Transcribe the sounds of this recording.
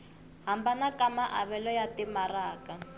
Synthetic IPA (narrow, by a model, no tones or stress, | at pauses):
ɦambanakamaʔa̰βɛlɔjatimaraːka